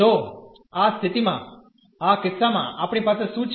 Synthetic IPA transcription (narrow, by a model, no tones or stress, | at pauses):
o | ast̪ʰɪt̪imã̰ | akɪsːamã̰ʔapɳ̃ipasesũt͡ʃʰ